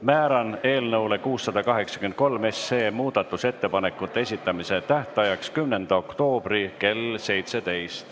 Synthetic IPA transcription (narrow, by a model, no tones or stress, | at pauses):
mæːɾɑne̞ːlnɤwle̞kuːsːɑd̪̥ɑkɑɦe̞ksɑkyent̪̚ko̞lme̞sːe̞ːmuːd̪̥ɑt̪ːˑuse̞t̪ːe̞pɑne̞kːˑut̪ːˑeesʲit̪ːˑɑmise̞t̪æht̪ɑjɑkskymne̞nd̪̥ɑo̞kt̪o̞ːb̥ɾike̞lse̞jt̪se̞t̪e̞jst̪